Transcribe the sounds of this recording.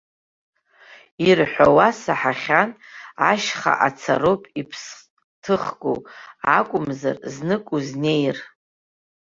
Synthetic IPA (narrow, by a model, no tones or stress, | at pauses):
irħʷawasaħaχʲanaʃχa̰ʔat͡sʰa̰ɾopʼipʰs | tʰɨχɡo̰wa̰kʷʼʊmza̰rznɨkʼuzne̞jr